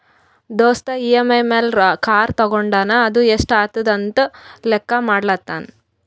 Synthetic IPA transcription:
d̪oːst̪ɐiemejmelɾkaːɾt̪ɐɡoɳɖaːnɐːd̪ueʂʈaːt̪ud̪ɐnt̪ulɛkːɐmaːɽlɐt̪ːaːn

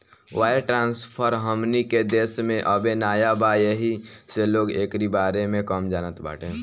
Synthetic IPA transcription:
ʋaːeʈɾãːnspʰəɾɦəmniked̪eːsmẽʔəbenaːjabaːjeɦiseloːɡeːkɾibaːɾemẽkəmd͡ʒaːnət̪ba̰ːʈʰẽ

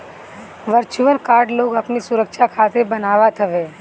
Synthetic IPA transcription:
ʋəɾt͡ʃʊʋənkaːɾɖloːɡɐpnisʊɾəkʃakʰaːt̪ebənaːʋat̪ʰɐʋeː

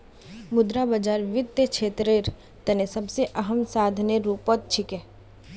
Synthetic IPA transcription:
mʊd̪ɾabəd͡ʒaːɾʋɪd̪jət͡ʃʰeːt̪ɾeɾ | t̪ɛnesɐbseʔɐɦəmsaːd̪ʱneɾuːpot̪̚t͡ʃʰɪke

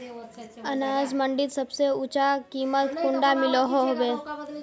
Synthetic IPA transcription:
ənaːzməɳɖɪt̪səbseʊt͡ʃakiːmət̪kʊɳɖamɪloɦoɦobeː

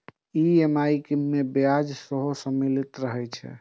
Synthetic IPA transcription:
iemaikiːebjad͡ʒsəɦosəmilit̪ɾəɦɛt͡ʃʰɛ̰

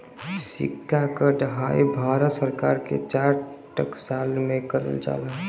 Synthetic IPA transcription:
sɪ̰kʰːakəɖəɦaːibʱaːɾət̪səɾkaːɾkḛt͡ʃaːɾʈəksaːlmẽkəɾə̰ld͡ʒa̰ːlə

